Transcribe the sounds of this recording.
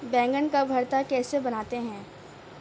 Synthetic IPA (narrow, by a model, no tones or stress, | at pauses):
bɛ̃ːŋɡənkabʱɐɾt̪akɛːsebɐnaːt̪eɦɛ̃ː